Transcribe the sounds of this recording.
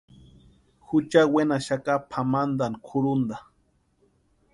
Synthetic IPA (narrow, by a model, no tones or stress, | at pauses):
hʊt͡ʃawenaʃakapʰamand̪ankʰʊɾund̪a